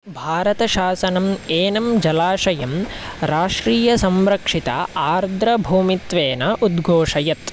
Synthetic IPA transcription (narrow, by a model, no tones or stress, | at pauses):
bʱaːɾɐt̪ɐʃaːsɐnɐmeːnɐmd͡ʒɐlaːʂɐjɐmɾaːʂɾiːjɐsɐmɾɐkʂit̪ɐ̰aːɾd̪ɾɐbʱuːmit̪ʋeːnɐʔud̪ɡʱoːʂɐjɐt̪